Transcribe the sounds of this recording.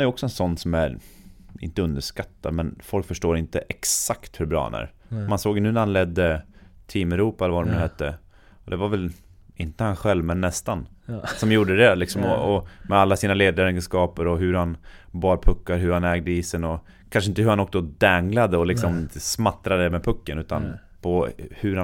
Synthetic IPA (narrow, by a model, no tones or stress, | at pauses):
æɾjəɔksɔɛnsɔnːsɔmæɾ | ɪ̰nt̪əɵnd̪əʂkat̪ːad̪mɛnfɔlkfœʂʈoːɾɪnt̪əʔɛksakt̪hɵɾbɾɑ̰ːha̰næ̰ːɾ | mansoːɡjnʉːnæɾhanlɛd̪ːət̪ʰiːmɛɾuːpaɛləvaɾɔmnʉːhɛt̪ːə | ɔd̪ɛvaɾvɛl | ɪnt̪əhanɧɛlvmɛnːɛst̪ansɔmjuːɖəd̪ɛlɪksɔmɔɔmɛalːasiːnaleːd̪aɾɛɡənskɑːpəɾɔɦɵɾhanbɑːɾpʰɵkːaɾɦɵɾhanɛːɡ̚d̪əisɛnɔ | kʰanʂəɪnt̪əɦɵɾhanɔksɔd̪ɛŋlad̪əɔlɪksɔmɪnsmat̪ɾad̪əmɛpʰɵkːənʉ̟ːt̪a̰n | pʰɔhɵɾha